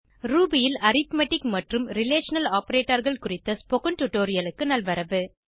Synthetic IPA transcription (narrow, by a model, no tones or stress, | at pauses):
ɾuːbɪjɪlɐɾɪt̪mɐʈːɪkmɐʈrɯmɾɪleːʂɐnɐlaːpɐɾeːʈːɐɾɣɐɭkʊrɪt̪ːɐspɔkɐɳʈʊʈːoːɾɪjɐlɯkːɯnɐlʋɐɾɐʋɯ